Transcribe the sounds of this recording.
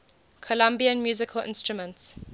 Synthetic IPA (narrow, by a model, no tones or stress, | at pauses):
kʰɔlãmbiə̃nmjuːzɪkʰəlʔɪ̰̃nstɹumə̃nts